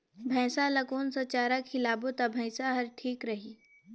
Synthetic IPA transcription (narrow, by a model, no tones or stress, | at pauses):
bʱɛ̃ːsalɐkoːnsɐt͡ʃaːɾakʰɪlaːbot̪abʱɐ̃ɪsaɦɐɾʈʰiːkɾɐɦiː